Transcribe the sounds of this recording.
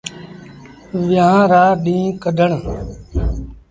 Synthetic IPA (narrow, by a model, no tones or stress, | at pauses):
ʋjãːɾaːɗĩːkəd̪ʱəɳ